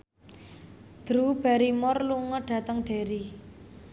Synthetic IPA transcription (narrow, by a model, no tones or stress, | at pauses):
d̪̥ɾub̥ɛɾimɔrluŋəɖ̥a̤t̪əŋɖ̪̥e̤ɾi